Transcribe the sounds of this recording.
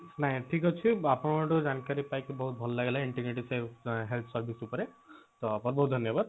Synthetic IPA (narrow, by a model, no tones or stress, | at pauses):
naɦĩʈʰikɦɔt͡ʃʰiapɽ̃ɔʈud͡ʒankaɾipajkibɔɦut̪̚bʱɔlɔlaɡelaiɳʈiɡniʈiseɦelt̪ʰsɔɾbʱisupɔɾe | t̪ɔapɔt̪̚bɔɦut̪dʱʌnjɔbad̪̚